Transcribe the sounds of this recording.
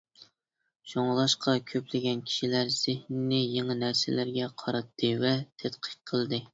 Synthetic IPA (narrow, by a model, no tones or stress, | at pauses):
ʃoŋlˠɑʃqʰɑkʲʰøplɪɡʲɛnkʲʰi̥ʃilæɾz̥ɪhnɪnɪjeŋɨnæɾsɪlæɾɡʲɛqʰɑɾɑt̪ʰːɨvɛt̪ʰɛt̪qʰə̥qʰəlˠd̪ɨ